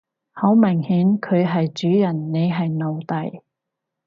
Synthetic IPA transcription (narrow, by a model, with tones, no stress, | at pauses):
ho˨˥wmɪ˨˩ŋhiː˨˥nkʰɵ˨˧ɥɦɐ˨jt͡ʃyː˨˥jɐ˨˩nːe˨˧jɦɐ˨jno˨wt̪ɐ˨˩j